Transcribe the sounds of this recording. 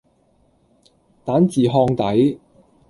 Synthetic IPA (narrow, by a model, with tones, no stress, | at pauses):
t̪aː˨˥nt͡siː˨ɦɔː˧ŋt̪ɐ˨˥j